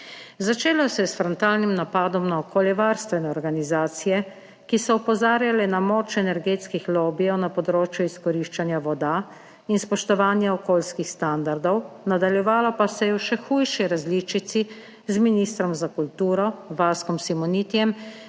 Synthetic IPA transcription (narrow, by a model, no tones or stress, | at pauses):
zat͡ʃeːlɔsɛjɛsfɾɔnt̪aːlnimnapaːd̪ɔmnaɔkʰoːljɛʋaːɾst̪ʋɛnɛɔɾɡanizaːt̪sijɛ | kisɔupɔzaːɾjalɛnamɔːt͡ʃɛnɛɾɡeːt̪skixloːbijɔwnapɔd̪ɾoːt͡ʃjuiskɔɾiːʃt͡ʃanjaʋɔd̪a | inspɔʃt̪ɔʋaːnjaɔkoːlskixst̪and̪aɾd̪ɔwnad̪aljɛʋaːlɔpasɛjɛwʃɛxuːjʃiɾazlit͡ʃit̪si | zminist̪ɾɔmzakult̪uːɾɔʋaskɔmsimɔnit̪ijɛm